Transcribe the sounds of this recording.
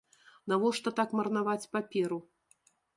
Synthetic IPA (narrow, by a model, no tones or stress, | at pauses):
navɔʂt̪ɔt̪akmɐrnavat͡sʲpapʲɛɾu